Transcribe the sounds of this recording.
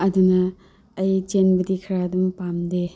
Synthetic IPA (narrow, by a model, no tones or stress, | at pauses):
ɐdunɐː | jt͡ʃenbɐdikʰɐɾadumpamde